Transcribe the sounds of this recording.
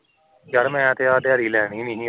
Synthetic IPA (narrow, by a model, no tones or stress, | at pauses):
d͡ʒaɾmɛ̃ːt̪ʰeːaːd̪ɪjaːɾiːlɛːɽ̃iːnɪɦĩː